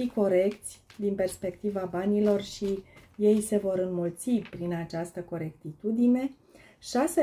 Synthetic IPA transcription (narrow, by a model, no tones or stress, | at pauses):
iko̞ɾe̞kt̪sʲd̪inpe̞rspe̞kt̪ivabanilo̞rʃije̞jse̞vo̞ɾɨnmult̪sipɾinat͡ʃast̪əko̞ɾe̞kt̪it̪ud̪ine̞ | ʃase